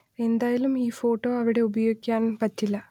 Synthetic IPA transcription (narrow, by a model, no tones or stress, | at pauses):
e̞nd̪aːjalumiːfo̞ːʈːo̞ːɐʋiɽe̞ubɐjo̞ːikʲːaːnpɐtːilːɐ